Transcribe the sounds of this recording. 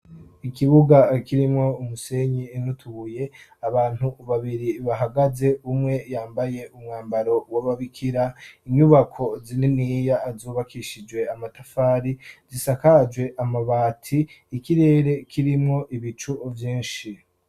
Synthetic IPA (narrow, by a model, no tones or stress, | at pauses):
ikiβuɡakiɾimŋo̞umuse̞ɲiːnutʰuɣuje̞aβaːn̥huβaβiɾiβaɦaɡaze̞umŋe̞jaːmbaje̞ʔumŋaːmbaɾo̞waβaβikʰiɾaiɲuβakʰo̞zininijazuːβakʰiʃid͡ʒwe̞amatafaːɾizisakad͡ʒwe̞ʔamaβaːtʰiːkiɾe̞ːɾe̞kʰiɾimŋo̞ʔiβit͡ʃuvjiːnʃi